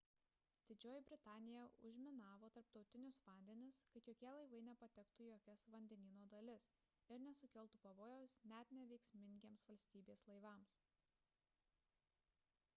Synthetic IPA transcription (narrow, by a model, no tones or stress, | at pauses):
d̪̥ʲɪd͡ʒʲoːjɪbʲɾʲɪt̪ɑːnʲɪjɛʊ̰ʒʲmʲɪnɑːʋoːt̪ɐɾpt̪ɒʊt̪ʲɪnʲʊsʋɐˑnʲd̪ʲɛnʲɪskɐt̪joːkʲiɛlˠɐɪʋɐɪnʲɛpɐt̪ʲɛkt̪ʊjoːkʲɛsʋɐnʲd̪ʲɛnʲiːnoːd̪ɐlʲɪs | ɪɾnʲɛsʊkʲɛlˠt̪upɐʋoːjɛːsnʲɛt̪ʲnʲɛʋʲɛɪksʲmʲɪŋʲɡʲeːmsʋɐlʲsʲt̪ʲiːbʲeːslˠɐɪʋɑːˑms